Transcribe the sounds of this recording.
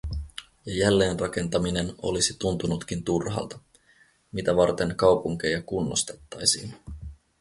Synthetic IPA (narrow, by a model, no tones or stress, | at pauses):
jɑjælːe̞ːnrɑke̞nt̪ɑmine̞no̞̰lisit̪unt̪unut̪k̟int̪urhɑ̰ːlt̪ɑ̥ | mit̪æʋɑrt̪e̞nkɑwpuŋk̟e̞jɑkunːost̪e̞t̪ːɑjsiːn